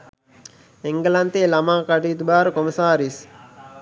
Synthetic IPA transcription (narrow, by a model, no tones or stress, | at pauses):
eŋɡəlant̪eːlamaːkaʈiːt̪ubaːɾəkoməsaːɾis